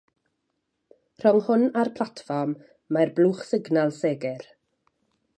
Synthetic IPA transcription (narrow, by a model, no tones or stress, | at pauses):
r̥ɔŋhʊnarpʰl̥ˠatfɔrmː | arbluːχsɪɡnalˠseːɡɛr